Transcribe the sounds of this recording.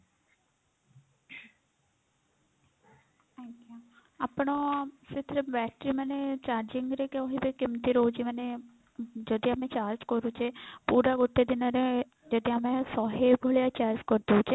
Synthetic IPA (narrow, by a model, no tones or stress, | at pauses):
akaapɳ̃osɪt̪ʰɾebɛːʈɾimənet͡ʃaːɾd͡ʒɪŋɡɾekeɔɦibikimt̪iɾoud͡ʒiməne | d͡ʒɔd̪iamẽt͡ʃaːɾd͡ʒkɔɾut͡ʃʰepuːɾaɡoʈʰːed̪ɪnɔɾe | d͡ʒɔd̪ʱiamẽsɔɦeɡʱoɭjat͡ʃaːɾd͡ʒkɔɾd̪out͡ʃʰe